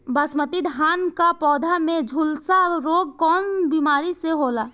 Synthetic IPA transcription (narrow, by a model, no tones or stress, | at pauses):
bəsmət̪id̪ʱɦaːnkapɔːd̪ʱamẽd͡ʒʱulsaɾoːɡ̚kɔːnbimaːɾiseɦoːlaː